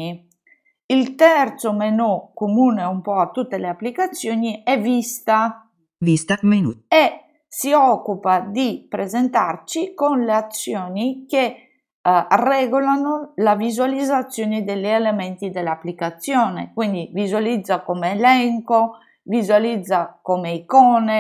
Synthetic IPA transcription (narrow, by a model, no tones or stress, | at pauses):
i | ilt̪ɛrt̪somenokomuːneumpɔat̪ːut̪ːeleapːlikat̪sːjoːniɛvist̪a | vist̪amenue | siɔkːupad̪ipɾezent̪art͡ʃikonleat̪sːjoːnike | rɛɡulanolavizualid̪zːat̪sːjoːnid̪elielemɛnt̪id̪elapːlikat̪sjɔːnḛkwind̪ivizualid̪zːakomeːlɛŋko | vizualid̪zːakomeikɔːne